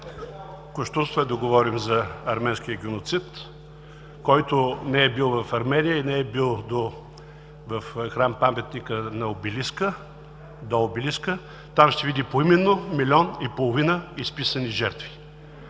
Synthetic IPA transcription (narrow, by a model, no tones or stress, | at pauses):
koʃt̪ust̪ɛd̪ɐɡovɔɾimzɐɐɾmɛnskʲijəɡʲɛnot̪sit̪ | kɔjt̪ʊnɛɛbilˠvɐfɐɾmɛnʲijəinɛɛbilˠd̪o | vɐfxɾampamɛt̪nikənɐobiliskə | d̪oobiliskə | t̪amʃt̪ɛvid̪ipoimɛnːomilʲɔnipolˠovinəispisəniʒɛɾt̪vi̥